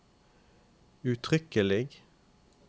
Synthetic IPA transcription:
ʉt̪ʰʁʏkəlɪɡ

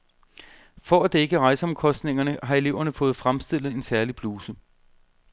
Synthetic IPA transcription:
fɒæd̥ee̝ɡ̥əʁɑ̈ɪsəɒ̽mkʰɒ̽sd̥ne̝ŋɐnəɦɑ̈e̝le̝ʊ̰ɐnəfɔ̽ːð̞̩ˠfʁamsd̥e̝l̰ð̩ˠe̝nsæɐlib̥luːsə

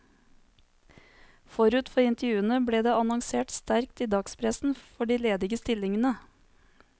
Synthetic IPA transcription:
fɔɾʉːt̪fɔɾɪnt̪əɾjʉːənəbleːd̪eːɑnɔŋseːʈst̪æɾkt̪iːd̪ɑːɡspʰɾɛsn̩fɔɖiːleːd̪ɪɡəst̪ɪlɪŋənə

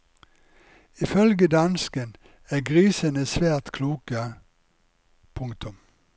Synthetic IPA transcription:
ɪfœlɡəd̪ɑnskən | æːɡʁiːsənəsʋæːʁt̪kʰluːkə | pʰʊŋkt̪ʊm

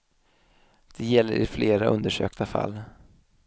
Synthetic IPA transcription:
d̪̥ɛjɛlːəɾɪfleːɾaʔɵnd̪əʂø̰ːkt̪ʰafa̰lː

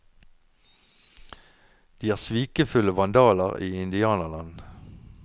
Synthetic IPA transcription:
d̪̥iːæːʁsʋiːkəfʉləʋɑnd̪ɑːləʁiːɪnd̪ɪɑːnəlɑn

